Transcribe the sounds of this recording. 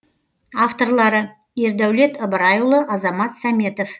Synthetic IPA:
aft̪o̞rlˠɑɾə | je̞ɾd̪æwle̞t̪əbəɾɑjulˠəʔɑzɑmɑt̪sæme̞t̪o̞f

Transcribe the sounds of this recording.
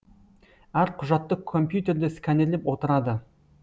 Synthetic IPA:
æɾqʰʊʒɑt̪ːəkʰo̞mpjut̪e̞ɾd̪ɪskʲanelepwo̞t̪əɾɑd̪ə

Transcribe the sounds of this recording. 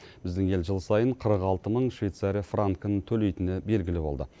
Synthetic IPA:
b̥ɪzd̪ɪŋe̞lʒəlˠsɑjəɴqʰəɾəqɑlˠt̪əməɴʃvijt̪saɾijfraŋkənət̪ʰɵle̞jt̪ɪnebe̞lɡʲɪlɪbo̞lˠd̪ə

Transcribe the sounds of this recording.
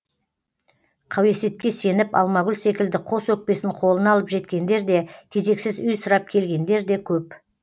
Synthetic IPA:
qʰɑwe̞set̪̚kʲe̞se̞nɪpɑ̰lˠmɑɡʲʊlʲse̞kʲɪld̪ɪqʰo̞swɵk̚pe̞sɪɴqʰo̞lˠənɑlˠəpʒe̞t̪kʲe̞nd̪e̞ɾd̪e̞kʲʰe̞ze̞ksɪzʏjsʊɾɑp̚kʲʰe̞lɡʲe̞nd̪e̞ɾd̪e̞kʲʰɵp

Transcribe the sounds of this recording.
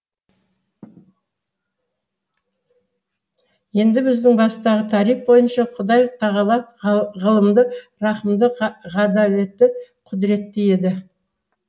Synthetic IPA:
je̞nd̪ɪbɪzd̪ɪŋbɑst̪ɑʁət̪ʰɑɾijf̚bo̞jənʃɑqʰʊd̪ɑjt̪ʰɑʁɑbɑt̪ʁəlˠəmd̪əɾɑqəmd̪əʁɑd̪ɑle̞t̪ːɪqʰʊd̪ɪɾe̞t̪ːeje̞d̪ɪ

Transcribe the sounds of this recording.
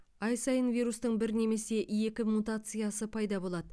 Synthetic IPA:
ɑjsɑjənvʲijɾust̪əɴbɪɾne̞me̞se̞ʔje̞kʲɪmut̪at̪sɨjasəpʰɑjd̪ɑbo̞lˠɑd̪ə

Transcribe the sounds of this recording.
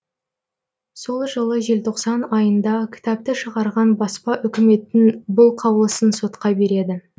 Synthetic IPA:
so̞lˠʒəlˠəʒe̞lt̪ʰo̞qsɑnɑjənd̪ɑkʲʰɪ̥t̪ɑp̚t̪ɪʃəʁɑɾʁɑnbɑspɑʔʏkʲɪme̞t̪ːɪnbʊlˠqʰɑwlˠəsənso̞t̪qɑbe̞ɾe̞d̪ɪ

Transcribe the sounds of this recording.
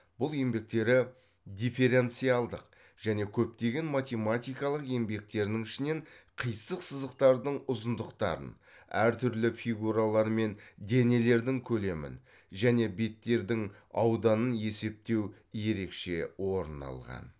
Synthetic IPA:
b̥ʊlˠe̞mbe̞k̚t̪e̞ɾɪ | d̪ʲife̞ɾe̞nt̪sijɑlˠd̪əq | ʒ̥æne̞kʲʰɵp̚t̪e̞ɡʲe̞nmat̪ʲe̞mat̪ʲijkɑlˠəqe̞mbe̞k̚t̪e̞ɾnɪŋɪʃɪne̞ɴqʰəjsəqsəzəqt̪ɑɾd̪əɴʊzənd̪əqt̪ɑ̰ɾə̰n | æ̰ɾt̪ʰʏɾlɪfʲijɡuɾalˠɑɾme̞nd̪e̞ne̞le̞ɾd̪ɪŋkʲʰɵle̞mɪ̰n | ʒæne̞be̞t̪ːe̞ɾd̪ɪŋɑ̰wd̪ɑnənje̞se̞p̚t̪e̞w | je̞ɾe̞kʃe̞wo̞ɾənɑ̰lˠʁɑ̰n

